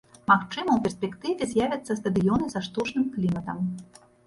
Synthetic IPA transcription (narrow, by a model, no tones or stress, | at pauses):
maxt͡ʂɨmɐwpʲɛrsʲpʲɛkt̪ɨvʲɛzʲjavʲɐt̪sːɐst̪ɐd̪ɨjɔnɨzɐʂt̪ut͡ʂnɨmklʲimɐt̪ɐm